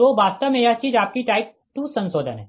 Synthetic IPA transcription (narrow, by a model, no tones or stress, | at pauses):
oːbaːst̪əmẽjat͡ʃiːd͡ʒaːp̚kiʈaːɪk̚ | ʈ̪usɐ̃nsoːd̪ʱənɦɛː